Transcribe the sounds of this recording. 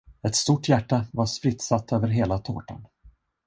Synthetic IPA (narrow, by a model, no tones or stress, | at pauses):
ɛt̪st̪uʈːjæʈːavaʂpɾɪt̪ːsat̪ʰːøːvəɾɦeːlat̪ʰo̰ːʈa̰n